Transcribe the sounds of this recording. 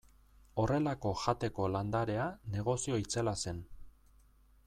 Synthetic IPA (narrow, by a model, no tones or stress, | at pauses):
o̞re̞lako̞ʝat̪e̞ko̞land̪aɾe̞ane̞ɣ̞o̞sio̞it͡selase̞n